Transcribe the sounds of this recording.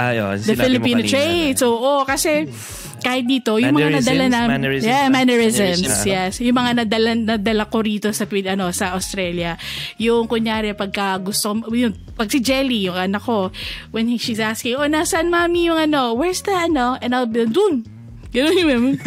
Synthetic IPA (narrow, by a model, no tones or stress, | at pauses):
d̪ɐfɪlɪppiːnot̪ɹejd̪soʔokɐsɛ | kaːhɪt̪̚d̪iːt̪o̞jʊŋmɐŋanɐd̪ɐlanɐjɛmanɛɹɪzɛmsjɛsjʊŋmɐŋanɐd̪ɐlaɐnːɐd̪ɐlako̞ɾiːt̪o̞sɐpɪɐno̞sɐʔɐwst̪ɾɛljɐjʊŋkʊŋjaːɾɛpɐɡ̚kɐɡʊst̪ojʊŋ | pɐɡ̚sɪd͡ʒɛlijʊŋɐnɐko̞wɛnhiʃizaskɪŋʔonasɐnmamijʊŋɐno̞wɛɹsd̪ɐɐnoʔɛ̃nalbnd̪ʊn | ɡɐnonjʊmam